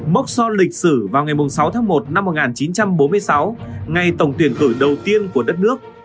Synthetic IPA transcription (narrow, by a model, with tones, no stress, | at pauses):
mə˦˥k̚sɔ˧nlï˨˩k̟̚sɨ˧˩vaː˨˩wŋa˨˩jmʊ˨˩ŋ͡msa˨˦wt̪ʰaː˨˦ŋmo˨˩t̚na˧mːo˨˩ŋaː˨˩nt͡ɕi˨˦nt͡ɕa˧mɓo˨˦nm˧əjsa˨˦wŋa˨˩jt̪ə˨˩wŋ͡mt̪wi˧˩ənkɨ˧˩ɗə˨˩wt̪i˧ənku˧˩əɗə˦˥t̚nɨ˦˥ək̚